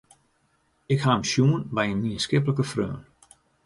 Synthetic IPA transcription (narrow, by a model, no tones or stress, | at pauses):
ɪkhaəmsjuənbɛjənmiənskɪpləkəfrø̰ːn